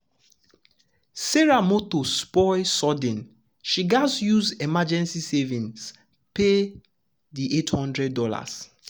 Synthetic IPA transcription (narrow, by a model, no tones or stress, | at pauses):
seɹamotospɔɪsɔdĩn | ʃiɡazjuzemad͡ʒɛ̃nsisevĩns | pe | diʔethɔ̃ndɹɛdːɔla̰s